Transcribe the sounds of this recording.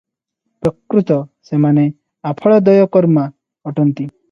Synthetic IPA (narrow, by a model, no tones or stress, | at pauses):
pɾɔkɾut̪ɔsemane | apʰɔɭɔd̪ɔjɔkɔɾma | ɔʈɔnt̪i